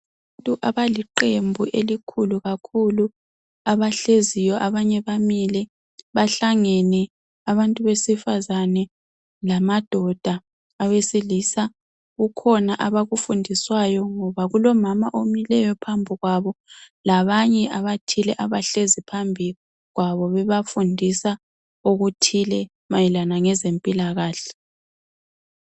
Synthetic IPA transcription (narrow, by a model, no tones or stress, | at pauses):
βaantʼuʔaβaliǃembʱuʔelikʰuluɣakʰulu | aβaɬezijɔʔaβaɲɛβamilɛ | βaɬaŋɛnɛ | aβantʼuβesifazanɛ | lamad̥ʱɔd̥ʱaː | wesilisa | ɣukʰɔnaʔaβaɣufundʱiswajɔŋɔβaɣulɔmamaʔomilɛjɔpʰambʱiɣwaβɔ | laβaɲɛʔaβatʰilɛʔaβaɬezipʰambʱi | ɣwaβɔβɛβafundʱisa | oɣutʰilɛ | majilanaŋɛzempʼilaɣaːɬɛ̥